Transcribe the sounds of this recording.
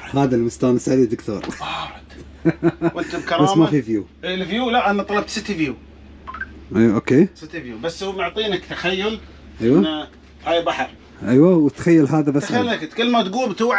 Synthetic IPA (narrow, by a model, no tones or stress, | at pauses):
haːðalmʊst̪aːnsaʕlid̪ɪkt̪o̰ːɾˤɾˤ | wənt̪ʊbkɑɾˤbaɑsːmːmafifjuː | lfjuːlaʔanːat̪ˤɑlɑb̚t̪sɪt̪ːifjuː | ʔʔokeːsɪt̪ːivjuːbasːmʊʕt̪ˤiːnakt̪axajːʊl | ʔajwana | haːjbaħɑɾˤ | ʔajwawt̪xajːalɦaːðabasːaakt̪kəlːmat̪ɡuːlbt̪uʕ